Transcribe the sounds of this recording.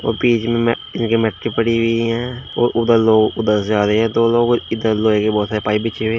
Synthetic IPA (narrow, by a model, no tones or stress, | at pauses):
o̰ːɾpiːt͡ʃmẽm | ɪnkemɛʈ̚kepəɽiʋiɦɛ̃ːo̰ːɾʔʊd̪əɾloːɡʊd̪əɾsd͡ʒaːɾeɦɛ̃ːt̪oːloːɡɪd̪əɾloːekebɔːt̪saːɾepaːibɪt͡ʃʰeʋeː